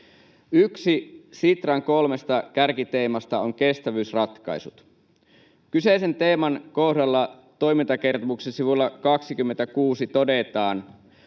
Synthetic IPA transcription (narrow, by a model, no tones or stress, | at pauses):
yksisit̪rɑŋko̞lmest̪ɑkærkit̪eːmɑst̪ɑoŋke̞st̪æʋyːsrɑt̪kɑ̰jsut̪ | kyse̞ise̞nt̪e̞ːmɑnko̞hdɑlːɑ | t̪o̞imint̪ɑke̞rt̪oʋuksesiʋulːɑkɑksik̟ymːent̪ækuːsit̪o̞de̞t̪ɑːn